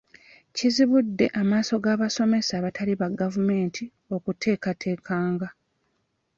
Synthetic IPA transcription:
ciziβudːe̞ʔamaːso̞ɡaːβaso̞me̞saːβatʰaliβaɡavume̞ːntʰi | o̞kutʰe̞ːkatʰe̞ːkʰaːŋɡa

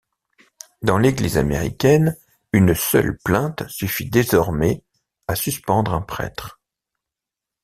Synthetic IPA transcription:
d̪ɑ̃leɡliza̰meʁḭkʲɛn | ynsœ̰lplɛ̃t̪syfid̪ezɔʁmɛ | asyspɑ̃d̪ʁɛ̃pχɛ̰t̪χ

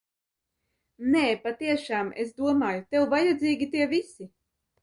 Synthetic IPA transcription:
neːpat̪iɛʃaːmḛsd̪uɔmaːjut̪ewvajɛd̪ziːɡʲit̪iɛvisi

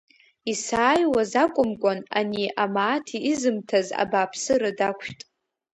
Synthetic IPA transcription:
isaːjwazakʷʼʊmkʷʼana̰niʔamaːtʰiːzɨmtʰaza̰baːpʰsɨɾadakʷʰtʼ

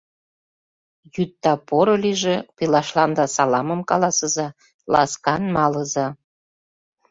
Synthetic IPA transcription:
jyt̪ːɑpoɾoliʒĕpilɑʃlɑnd̪ɑsɑlɑməmkɑlɑsə̆zɑ | lɑ̰skɑnmɑlɤzɑ

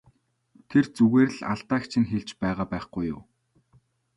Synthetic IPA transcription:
t̪ʰert͡suɣeːɾɮa̰ɮt̪aːkt͡ɕʰĭnxeɮt͡ɕpæːʁaːpæːχɡujʊ̰ː

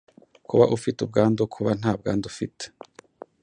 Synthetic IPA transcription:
kuβaʔufitub̚ɡaːndokʰuβan̥haːb̚ɡa̰ːndufite̥

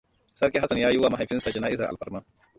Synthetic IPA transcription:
sɐɾkeɦɐsɐnjaːjuwamɐɦɐfinsɐt͡ʃɐnaːisɐɾʔɐ̰lpɐɾmɐ

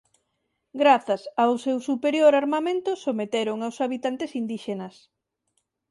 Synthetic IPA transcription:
ɡɾaθɐsawsewsupeɾjoɾaɾmamẽnt̪ʊsomet̪eɾoŋawsaβ̞it̪ant̪esind̪iʃenɐs

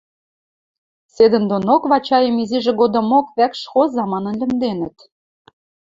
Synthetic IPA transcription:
sed̪ə̆nd̪onokβɑt͡ɕɑjə̆miziʒĕɡod̪ɤ̆mokβækʃxozɑmɑnɤ̆nlʲɘ̆md̪enə̆t̪

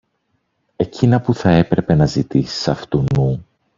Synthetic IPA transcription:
e̞cinɐpuθɐe̞pɾe̞pe̞nɐzit̪isi̥sɐft̪unu

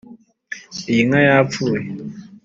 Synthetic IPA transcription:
jiŋajafue

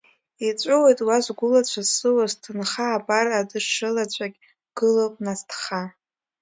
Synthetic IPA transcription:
it͡ɕʷʼowejtʼwaʒʷɡʷʊlat͡ɕʷʰazsɨwaztʰɨnχaːpʼaradɨʂɨlat͡ɕʷʼakʲ | ɡ̥ɨlopʼnastʰχa

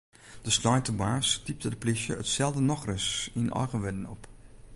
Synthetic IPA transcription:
d̥əslɔjtəbaɹstip̚tədəplɪʃjəətsɛlˠdənɔχrəsɪnʔɑ̰ɹχəʋɛdənɔp

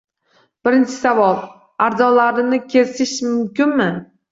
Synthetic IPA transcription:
b̥ɪɾɪnt͡ʃʰɪ̥savɒlˠ | aɾd̪ɒlaɾɪnɪkʲʰe̞sɪʃmʊmkʲɪnmɪ

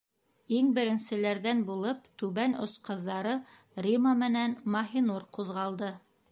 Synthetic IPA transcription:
iŋbɘ̆ɾɘ̆nsɘ̆læɾðænbulˠɤp̚t̪ʉβænŏ̰sqɤ̆ðːɑɾɤ | rʲimamɘ̆nænmɑɦinuɾquðʁɑlˠd̪ɤ

